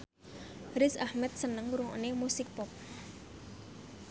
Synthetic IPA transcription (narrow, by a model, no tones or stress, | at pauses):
ɾɪsahmɛt̪̚sənəŋuɾuŋɔ̰nemusɪk̚pɔp̚